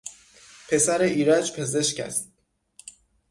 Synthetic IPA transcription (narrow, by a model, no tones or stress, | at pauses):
pʰe̞sæɾeʔiːɾæd͡ʒpʰe̞ze̞ʃcæ̰sd̪̥